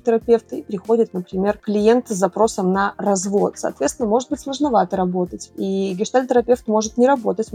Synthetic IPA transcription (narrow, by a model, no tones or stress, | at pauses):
t̪ʲɪɾɐpʲeft̪ɨipʲɾʲɪxo̞dʲɪt̪nəpɾʲɪmʲe̞rklʲɪjent̪sɐpɾo̞səmnərɐzvo̞t̪sɐ̰ːt̪vʲet̪st̪ʲɪnəmo̞ʐɨt̪̚bɨtʲslˠəʐnɐvat̪əɾɐbo̞t̪ətʲiɡʲɪʂt̪alʲt̪ɪɾɐpʲe̞ft̪mo̞ʐɨt̪nʲɪɾɐbo̞t̪ətʲ